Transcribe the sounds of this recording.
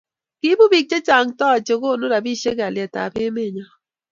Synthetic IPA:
ki˦bu˦bi˦˨k̚t͡ʃe˦t͡ʃa˨ŋtɔ˦˨t͡ʃe˨ko˦˨no˦ɾa˨bi˦ʃe˦ka˨ljɛ˨ta̰˨pe˦me˦˨ɲa˦

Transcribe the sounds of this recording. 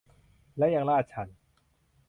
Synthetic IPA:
lɛː˦˥ja˧˩ŋlaː˥˩t̪̚t͡ɕʰa˦˥˩n

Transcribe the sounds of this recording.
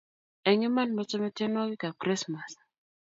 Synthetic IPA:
ɛ˨ŋɪ˦ma˦nmɔ˦t͡ʃɔ˦mɛ˦tɛ˦nɔ˦ɡɪ˦ka˨kɾi˦sma˨s

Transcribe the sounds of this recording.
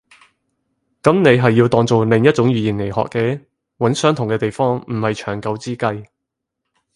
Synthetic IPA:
kɐ˨˥mne˨˧jɦɐ˨jːiː˧wt̪ɔː˨ŋt͡so˨wlɪ˨˩ŋjɐ˥t̚t͡sʊ˨˥ŋjyː˨jiː˨˩nle˨˩jhɔ̰˨kːɛː˧ | wɐ˨˥nsœː˥ŋt̪ʰʊ˨˩ŋkɛː˧t̪e˨jfɔː˥ŋm̩˨˩hɐ˨jt͡ʃʰœː˨˩ŋkɐ˨˧wt͡siː˥kɐ˧j

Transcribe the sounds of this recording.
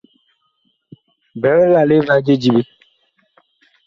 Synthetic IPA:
bɛ˨˦ɾɛ˦la˨le˦va˦d͡ʒe˦d͡ʒi˨be˦

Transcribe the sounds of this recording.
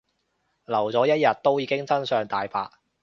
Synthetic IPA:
lɐ˨˩wt͡sɔː˨˥jɐ˥t̚jɐ˨t̚t̪o˥wjiː˨˧kɪ˥ŋt͡sɐ˥nsœː˨˧ŋt̪aː˨jfa̰ː˧t̚

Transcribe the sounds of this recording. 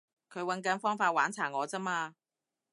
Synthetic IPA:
kʰɵ˨˧ɥwɐ˨˥nkɐ˨˥nfɔː˥ŋfaː˧t̚waː˨˥nt͡sʰaː˨˩ŋɔː˨˧t͡sɐ˥maː˧

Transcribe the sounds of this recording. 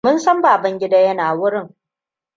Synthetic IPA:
mʊ˦nsɐ˦mbaː˨bɐ˦ŋɡʲɪ˦daː˦jɐ˦naː˨wʊ˦ɾɪ˦ŋ

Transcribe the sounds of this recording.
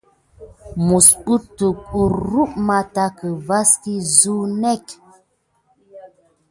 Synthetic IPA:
mu˨spu˦tu˨ku˨ɾɾu˦ʔma˦ta˦kə˨va˦ski˦zu˦nɛ˦˨k

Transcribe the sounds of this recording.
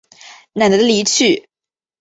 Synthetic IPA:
na˨˩nd̪ə˧˩d̪ə˦li˨˧˥t͡ɕʰy˥˩

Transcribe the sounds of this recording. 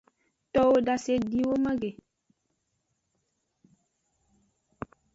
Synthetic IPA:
tɔ˦wo˦da˦se˦di˦wo˦ma˦ɡe˨

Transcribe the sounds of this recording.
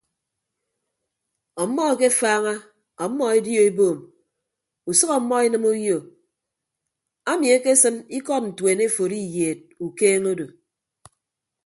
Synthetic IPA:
ɔ˨˦mːɔ˦˨ke˦faː˦ŋa˦ | ɔ˨˦mːɔ˦e˦djo˨e˦boː˨m | u˨sʌ˦kɔ˨˦mːɔ˦e˦nɨ˦mu˦jo˨ | a˦mi˨e˦ke˦sɨ˦mi˦kɔ˦t̚n̩˨tweː˨ne˦fo˨ɾi˦jeː˨t̚u˨keː˦ŋo˦do˨

